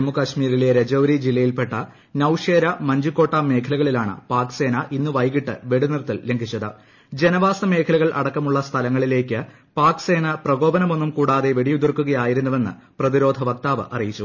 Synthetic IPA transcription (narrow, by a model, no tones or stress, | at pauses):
mːukɐɕmiːɾile̞ɾed͡ʑɐwɾid͡ʑilːɐjilpe̞ʈːɐ | nɐwʂeːɾɐmɐɲd͡ʑukːo̞ːʈːaːmːe̞ːkʰɐlɐɣɐɭilaːɳɨ̰paːkse̞ːnɐʔinːuʋɐjɣiʈːɨʋe̞ɽunirt̪ːilleŋɡʰʱit͡ɕːɐðɨ | d͡ʑe̞nɐʋaːsɐme̞ːkʰɐlɐɣɐɭʔɐ̰ɽɐkːɐmuɭːɐst̪ʰɐlɐŋːɐɭile̞ːkʲːɨ | paːkse̞ːnɐprɐɣo̞ːbɐnɐmo̞nːumkuːɽaːðe̞ʋe̞ɽijud̪urkːuɣɐjaːjiɾunːɐʋe̞nːɨ̰prɐðiɾo̞ːd̪ʱɐʋɐk̚t̪aːʋɐ̰ʔɐrijit͡ɕːu